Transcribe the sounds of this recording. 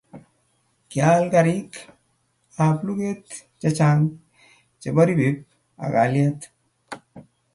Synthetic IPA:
kja˦lka˨ɾi˦k | a˨plu˦ke˦t̪t͡ʃa˦t͡ʃa˦ŋ | t͡ʃe˨ba˦ɾi˦bi˨˦p̚ | a̰˨ka̰˨˦lja˦t̪

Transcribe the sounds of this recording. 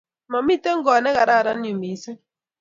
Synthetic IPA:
ma˨mi˦te˦ŋ̩˦ɡɔ˨nɛ˦ɣa˨ɾa˦˨ɾa˦n˦˨u˨mi˨˦se˦

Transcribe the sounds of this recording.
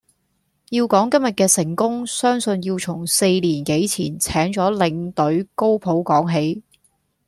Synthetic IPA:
jiː˧wkɔː˨˥ŋkɐ˥mjɐ˨t̚kɛː˧sɪ˨˩ŋkʊ˥ŋsœː˥ŋsɵ˧njiː˧wt͡sʰʊ˨˩ŋse˧jliː˨˩nke˨˥jt͡sʰiː˨˩nt͡sʰɛː˨˥ŋt͡sɔː˨˥lɪ˨˧ŋt̪ɵ˨˥ɥko˥wpʰo˨˥wkɔː˨˥ŋɦe˨˥j

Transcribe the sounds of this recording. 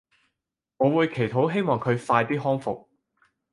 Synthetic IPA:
ŋɔː˨˧wuː˨˧jkʰe˨˩jt̪ʰo˨˥wɦe˥jmɔː˨ŋkʰɵ˨˧ɥfaː˧jt̪iː˥ɦɔː˥ŋfʊ˨k̚

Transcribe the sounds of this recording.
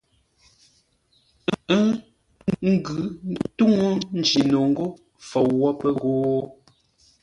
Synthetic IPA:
ə˦ | ŋ̩˦ɡʉ˨˦tu˦ŋo˦n̩˦d͡ʒi˨no˨ŋ̩˦ɡo˦ | fɔ˨wːɔ˦pə˦ɣoː˦

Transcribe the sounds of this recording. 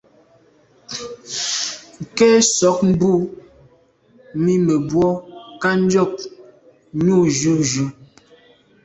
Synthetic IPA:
ŋ̩˨kɛ˦sɔ˨˦k̚m̩˦bu˦˨ | mi˦me˨bwɔ˦ka˦n˦d͡ʒɔ˦˨k̚ | nu˦˨d͡ʒu˦d͡ʒu˦

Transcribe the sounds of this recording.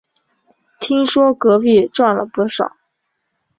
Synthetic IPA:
t̪ʰi˥ŋʂwɔ˥kɤ˧˥pi˥˩ʈ͡ʂwa˥˩nlə̰˩pu˥˩ʂɑ̰˨˩˦ʊ

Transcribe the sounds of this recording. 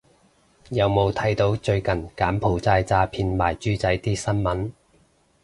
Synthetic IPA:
jɐ˨˧wmo˨˧wt̪ʰɐ˨˥jt̪o˨˥wt͡ʃɵ˧ɥkɐ˨˩nkaː˨˥mpʰo˨˩wt͡saː˧jt͡saː˧pʰiː˧nmaː˨˩jt͡ʃyː˥t͡sɐ˨˥jt̪iː˥sɐ˥nmɐ˨˥n

